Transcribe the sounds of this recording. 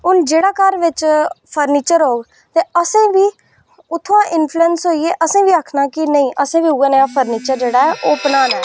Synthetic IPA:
ʊnd͡ʒeːɽaːkəɾʋɪt͡ʃpʰəɾniːt͡ʃəɾɦoːɡ | t̪eːəsẽːʋiː | ʊt̪ʰːõãːʔɪnpʰluɛnsɦoːiːeːʔəsẽːʋiːaːkʰnaːkɪnəĩːʔəsẽːʋiːuːeːneːaːpʰəɾniːt͡ʃəɾd͡ʒeːɽaːɛːʔoːpnaːnɛː

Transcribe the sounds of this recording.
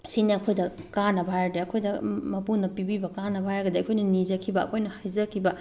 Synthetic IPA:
siniɐkʰojdɐkanɐbʱajɾdeɐkʰojdɐmɐpunɐpibibɐkanɐbʱajɾɡɐdeɐkʰojnɐnizɐkʰibɐɐ̰kʰojnɐhajzɐkʰibɐ

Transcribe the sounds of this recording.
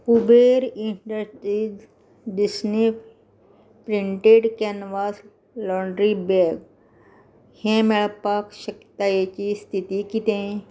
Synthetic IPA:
pubeːɾiɳɖəɾsʈɾiːd͡ʒ | ɖisni | pɾĩɳʈeɖkenʋaːs | lɔːɳɖɾibeɾɡ | hẽmeɭpaːkʃəkt̪ajet͡ʃist̪ʰit̪ikit̪ẽ

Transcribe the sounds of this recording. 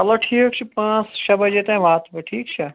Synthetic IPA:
ɐloʈʰiːkt͡ʃʰipãːsʃɐbɐd͡ʒet̪ãĩʋaːt̪ʰbɨʈʰiːkt͡ʃʰɐ

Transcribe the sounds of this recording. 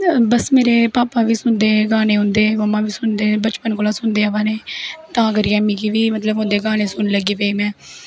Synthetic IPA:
bəsmeːɾeːpaːpãːʋiːsʊnd̪eːɡaːñeːɦʊ̃nd̪eːməmãːʋiːsʊnd̪eːbət͡ʃpənkolaːsʊnd̪eːaːʋaːneːt̪ãːɡəɾɪjaːmiːkiːʋiːmət̪ləbɦʊ̃nd̪eːɡaːñeːsʊnləɡeːpeiːmɛ̃ː

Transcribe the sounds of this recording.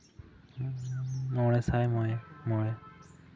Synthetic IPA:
nɔɹɛsajmɔjmɔɹɛ

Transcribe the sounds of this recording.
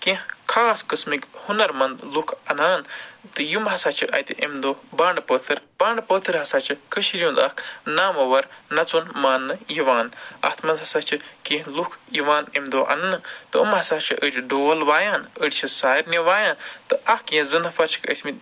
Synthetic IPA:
kẽhkʰaːskɨsmikhunɐɾmɐnd̪lukʰɐnaːnt̪ɨjumɦɐsaːt͡ʃʰɨʔɐ̰t̪iʔemd̪oːbaːɳɖpəːt̪ʰɨɾb̥aːɳɖpəːt̪ʰɨɾɦɐsaːt͡ʃʰɨkəʃiɾʲjũːnd̪ɐhkʰnaːmɐʋɐɾnɐt͡sunmaːnːɨjiʋaːnɐ̰t̪ʰmɐnd̪ɦɐsaːt͡ʃʰɨkẽːɦlukʰjiʋaːnemd̪oːʔɐ̰nɨnɨt̪ɨɨ̰mɦɐsaːt͡ʃʰɨʔət͡ʃʲʰɖoːlʋaːjaːnəɽʲt͡ʃʰisaːiɾneʋaːjãːnt̪ɨʔɐhkjẽzɨnɐfɐɾt͡ʃʰi̥kə̰smi

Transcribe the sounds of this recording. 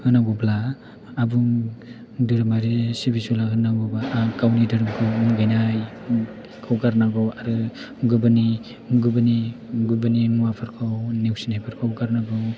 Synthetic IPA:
hɯnaɡɔblaː | buŋ | dɯɾɯmaɾisibisulaɦɯnaɡɔbakawnidɯɾɯmkʰɯwmɡajnaj | kʰawɡaɾnaɡɯwaɾɯ | ɡɯbani | ɡɯbaniɡubaninuwapʰaɾkʰawnewsinhajpʰaɾkʰawɡaɾnaɡɯw

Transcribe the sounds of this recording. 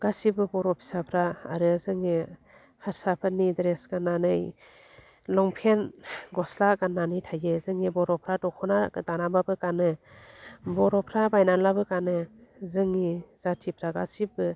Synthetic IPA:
ɡ̥asibɯbɔɾɔpʰi̥sapʰɾaa̰ɾɯzɯŋi | haɾsapʰɯnidɾesɡanːanɯj | lɔŋpʰenɡɔslaɡanːanɯjtʰajezɯŋibɔɾɔpʰɾadɔkʰɔnadanambabɯkanɯ | bɔɾɔpʰɾabajnanlabɯkanɯzɯŋiz̥atʰipʰɾaɡasibɯ

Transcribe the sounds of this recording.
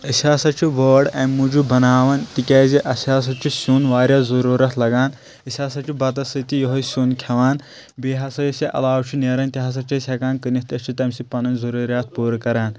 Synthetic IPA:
əsʲaːsɐt͡ʃʰiʋəːɖɐːnmud͡ʒubɐnaːʋɐnt̪ikʲaːziʔɐsʲaːs̬ɐt̪t͡ʃʰisuːnʋaːɾʲjaːzɐɾuːɾɐt̪ʰlɐɡaːn | ɐsʲaːsɐt͡ʃʰibɐt̪ɐsɨt̪ijoɦɐsʲuːnkʰɐʋaːn | biːɦɐsɐjɐsiʔɐ̰laːwt͡ʃʰuneɾɐnt̪iɦɐs̬ɐt͡ʃʰɐsʲɐkaːnkɨnist̪ɐst͡ʃʰit̪ɐmʲsipɐnɐnzɐɾuːɾjaːt̪̚ʰpuːɾkɐɾaːn

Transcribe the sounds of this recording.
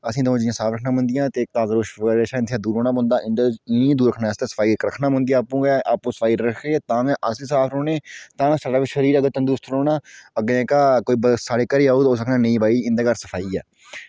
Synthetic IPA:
əsĩːd̪õːd͡ʒɪjãːsaːfʰɾəkʰnaːmə̃nd̪ɪjãːt̪eːaːzɾoːʃːɾeːʃaːɪnt̪ʰjãːd̪uːɾoːɳaːmõːnd̪aːʔɪndɪĩːd̪uːɾəkʰnaːst̪ẽːsə̥fʰaːiːkɾəkʰnaːmʊ̃nd̪ijaːpũːɡɛːʔaːpũːsə̥fʰaːiːɾəkʰeːt̪ãːʋɛ̃ːʔəsliːsaːfʰɾoːneːt̪ãːɛ̃ːsaːɖaːʋɪt͡ʃəɾiːɾəɡəɾt̪ə̃nd̪ust̪ʰɾoːnãːəɡẽkaːkoːiːbəsaːɽeːkəɾeːaːoːt̪ːoːsəkʰnãːnə̃ĩːbaːiːɪ̃nd̪eːɡəɾsəpʰaːiːɛ̰ː

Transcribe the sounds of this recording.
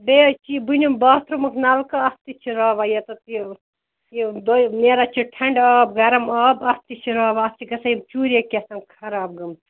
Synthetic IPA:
beːt͡ʃibunʲumbaːt̪ɾumɐkʰnaːlkɐɐst̪it͡ʃʰiɾɐːʋajɐt̪ɐt̪i | jid̪oneːɾat͡ʃʰiʈʰɐɳɖɔːb̚ɡɐɾɐmɔːbɐst̪it͡ʃʰiɾɐːʋaːst͡ʃʰiɡɐsɐjimt͡ʃuːɾʲekʲesɐmkʰɐɾaːb̚ɡɐmt̪

